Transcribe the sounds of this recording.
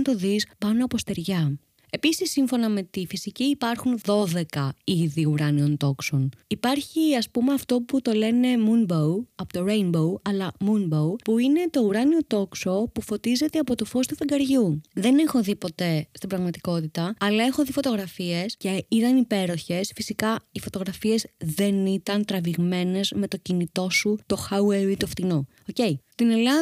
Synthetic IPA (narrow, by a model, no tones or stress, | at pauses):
nt̪o̞ðispɐnoɐpo̞st̪e̞ɾʝɐ | e̞pisisːiɱfo̞nɐme̞t̪ifisiciːpɐɾxunðo̞ðe̞kɐiðiuɾɐnio̞nt̪o̞kso̞nipɐɾçiɐspumeɐft̪o̞put̪o̞le̞ne̞munbowɐpot̪oɾejnbo̞wɐlɐmunbowpuine̞t̪o̞uɾɐnio̞t̪o̞kso̞pufo̞t̪ize̞t̪eɐpo̞t̪ofo̞st̪ufiŋɡɐɾʝuðe̞ne̞xo̞ðipo̞t̪e̞st̪ibɾɐɣmɐt̪i̥ko̞t̪it̪ɐɐlɐe̞xo̞ðifo̞t̪o̞ɣɾɐfie̞sce̞it̪ɐnipe̞ɾo̞çe̞sfisikɐifo̞t̪o̞ɣɾɐfie̞zðe̞nit̪ɐnt̪ɾɐviɣme̞ne̞zme̞t̪o̞cinit̪o̞sut̪o̞xɐueɾit̪oft̪ino | oce̞ist̪inelɐ